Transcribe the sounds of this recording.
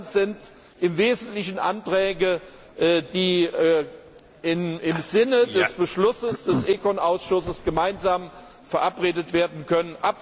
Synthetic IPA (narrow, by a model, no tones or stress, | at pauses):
nz̥ɪnt | ʔɪmveːzn̩tlɪçn̩ʔa̰ntʁ̥ɛːɡə | ʔːd̥iː | ɪnɪmzɪnədɛsb̥əʃlʊsəsd̥ɛsʔekʰɔnʔaʊsʃʊsəsɡ̥əmaɪnzaːm | fɛɐʔapʁeːdətv̥eːɐdn̩kʰœnənʔap